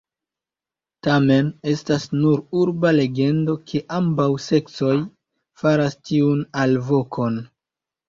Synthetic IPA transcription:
tame̞ne̞stasnuɾuɾbale̞ɡe̞ndo̞kʰe̞ʔambawse̞k̚t͡so̞j | faɾastiunalvo̞kʰo̞n

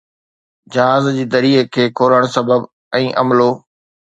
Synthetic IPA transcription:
d͡ʑɐɦaːzd͡ʑiːd̪ɐɾiːkʰeːkʰoːləɽ̃sɐbəb | ɛ̃ːʔɐmloː

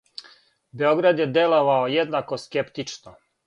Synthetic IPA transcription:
beoɡɾad̪jed̪eloʋaojed̪nako̞skept̪it͡ʃno

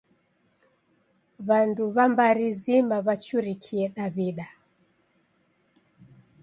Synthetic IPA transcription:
βanduβambaɾizimaβat͡ʃuɾikʰiɛɗaβiɗa

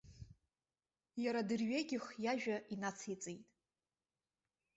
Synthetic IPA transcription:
jaɾadɨrɥeɡʲɪχjaʒᶣainat͡sʰet͡sʼejtʼ

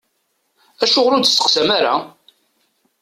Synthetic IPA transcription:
æʃʊʁlu̥sːə̥qsæmaɾa̰

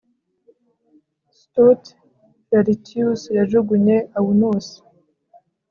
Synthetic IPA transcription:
stut | faɾitiusjaʒuɡuɲeʔawunusi̥

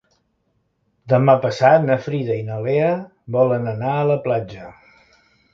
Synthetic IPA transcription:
d̪əmapəsat̪̚nəfɾiðəinəleə | bɔlənənaələplad͡ʒə

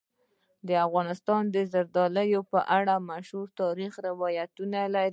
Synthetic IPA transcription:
d̪əafɣɑnɪst̪ɑnd̪əzaɾd̪ɑləjopəʔaɽamaʃhuɾt̪ɑɾixɾɪwɑjat̪unalaɾ

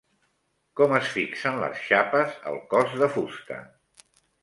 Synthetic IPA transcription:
kɔməsfiksənlə̰sʃapəzə̰lˠkɔzðəfust̪ə̰

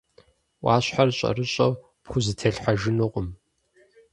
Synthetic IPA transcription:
wʷʔɑːɕħarɕʼɐ̰rɨɕʼɐ̰w | pxʷʊzɨtʰɐɬħaʒɪnɨqʷʼʊm

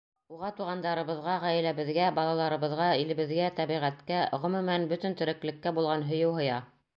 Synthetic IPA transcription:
uʁɑt̪uʁɑnd̪ɑɾɤ̆βɤ̆ðʁɑʁæjɘ̆læβɘ̆ðɡæbɑlˠɑlˠɑɾɤ̆βɤ̆ðʁɑilɘ̆βɘ̆ðɡæt̪æβiʁæt̪kæʁɵ̆mɵ̆mænbɵt̪ɘ̆nt̪ɵ̆ɾɘ̆klɘ̆kːæbulˠʁɑnɦɵ̆jɘwɦɤ̆jɑ

